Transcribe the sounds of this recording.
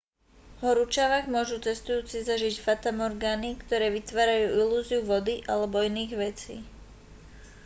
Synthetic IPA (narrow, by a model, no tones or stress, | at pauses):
ɦɔɾut͡ʃaʋaɡmʊɔʒut͡sɛst̪ujuːt͡sizaʒicfat̪amɔɾɡaːnikt̪ɔɾɛːʋit̪ʋaːɾajuːʔiluːziuʋɔd̪iʔalɛbɔiniːɣʋɛt͡sḭː